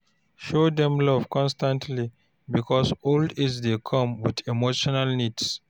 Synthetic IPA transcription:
ʃodɛ̃mlɔvkʰɔ̃nstãntʰli | bikʰɔsoldisdekʰʌ̃mwidimoʃɔnalnids

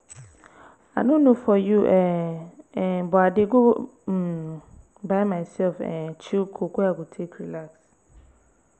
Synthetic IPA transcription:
a̰nʊ̃nũfɔjuʔɛ | bɔadɪɡʊ | baɪmãɪsɛlfɛ̰t͡ɕʰikʰokʊaɡʊtʰekʰɾilaks

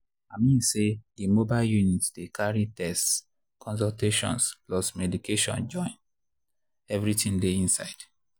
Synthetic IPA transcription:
amĩnsedimobaɪljunitdekʰaɹitɛst | kʰɔ̃ns̬ɔlteʃɔ̰̃nsplɔsmɛdikeʃɔ̰̃nd͡ʒɔ̃ɪ̃n | ɛvɹitĩndeĩnsa̰ɪd̥

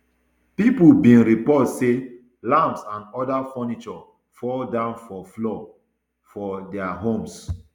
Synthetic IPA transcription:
pipubĩnɹipɔtse | lãmpsãnɔdafɔnit͡ʃɔ | fɔldãʊ̃nfɔflɔ | fɔdɛaɦõms

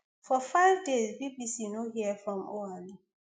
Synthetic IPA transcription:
fɔfaɪvdezbibisinohiəfɹɔ̃mɔali

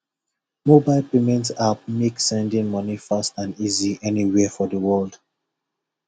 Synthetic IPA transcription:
mobaɪlpemɛ̃ntap̚meksɛ̃ndĩŋmɔnifastãniziɛniwɛfɔdəwɜld

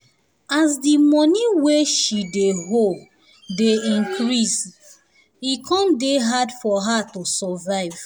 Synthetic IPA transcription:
asdimɔniweʃideɦol | deĩŋkɹis | ikʰɔ̃ndeɦadfɔɦatosɔvaɪv

